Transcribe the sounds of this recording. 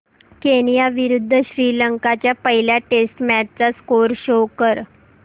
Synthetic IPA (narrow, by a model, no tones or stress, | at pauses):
keñijaʋiɾud̪ʱːəɕɾiːləŋkat͡ɕjapəɦiljaʈesʈmæʈ̚t͡saskoɾɕokəɾ